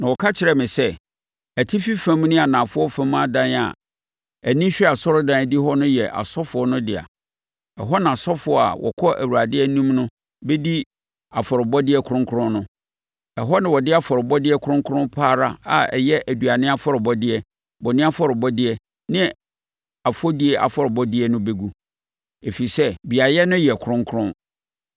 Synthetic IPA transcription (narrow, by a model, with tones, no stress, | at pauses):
nã˨wɔ˨kʰa˦t͡ɕʰɪ˨ɾɛ˦mɪ̃˨sɛ˦ | æ˨tʰi˦fi˦fã˦m˦nɪ̃˦a˨nã˨fʊ˦ɔ˦fã˦m˦a˨dã˦n˨a̰˨ | æ˨nĩ˦ɕᶣɛ˦a˨sɔ˦ɾʊ˦dã˦˨di˦ɦɔ˦nʊ̃˦jɛ˨ʔa̰˨sɔ˦fʊ˨ɔ˦nʊ̃˦dɪ˨a̰˨ | ɛ˨ɦɔ˦nã˨sɔ˦fʊ˨ɔ˦a̰˨wʔɔ̰˨kʰɔ˦ʔæ̰˨wu˨ɾa˨dɪ˦ɛ˦nũ˦mnʊ̃˦ | be˦di˦ | a˨fɔ˨ɾɪ˨bɔ˦dɪ˦ɛ˦kʰɾʊ̃˦ŋkʰʊ˦ɾʊ̃˦nnʊ̃˦ | ɛ˨ɦɔ˦nɪ̃˨wɔ˨dɪ˦a˦fɔ˨ɾɪ˨bɔ˦dɪ˦ɛ˦kʰʊ˦ɾʊ̃˦ŋkʰʊ˦ɾʊ̃˦mpʰaː˦ɾa˦a̰˨ɛ̰˨jɛ˦ʔæ˨du˨a˨nɪ̃˦a˦fɔ˦ɾɪ˨bɔ˦dɪ˦ɛ˦ | bɔ˨nɪ̃˦a˦fɔ˦˨ɾɪ˨bɔ˦dɪ˦ɛ˦ | nɪ̃˦ | a˨fo˦di˦ɛ˦ʔa̰˨fɔ˨ɾɪ˨bɔ˦dɪ˦ɛ˦nʊ̃˦be˦ɡu˦ | e˨fi˨sɛ˦bi˨a˨jɛ˦nʊ̃˦jɛ˨kʰɾʊ̃˦ŋkʰʊ˦ɾʊ̃˦